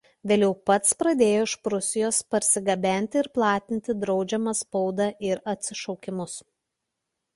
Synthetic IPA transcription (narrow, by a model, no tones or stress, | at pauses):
ʋʲeːlʲɛʊpɐt̪spɾɐd̪ʲeːjoːɪʃpɾʊsʲɪjoːspɐɾʲsʲɪɡɐbʲæˑnʲt̪ʲɪɪɾplˠɑːt̪ʲɪnʲt̪ʲɪd̪ɾɒʊd͡ʒʲɛmɐspɔʊd̪ɑʔɪɾɐt̪ʲsʲɪʃɔʊkʲɪmʊs